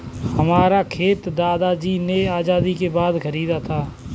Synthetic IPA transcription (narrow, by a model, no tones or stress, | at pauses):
hɐmaːɾakʰeːt̪d̪aːd̪ad͡ʒiːneaːzaːd̪ikebaːd̪xəɾiːd̪at̪ʰaː